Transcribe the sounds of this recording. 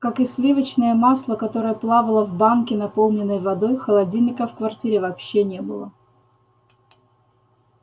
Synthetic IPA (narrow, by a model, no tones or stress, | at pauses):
kakɨsʲlʲivət͡ɕnəjəmaslˠəkɐt̪o̞ɾəjəplˠavəlˠəvbamkʲɪnɐpo̞lˠnʲɪnːəjvɐd̪o̞jxəlˠɐdʲilʲnʲɪkəfkvɐrtʲiɾʲɪvɐpɕːenʲebɨlˠə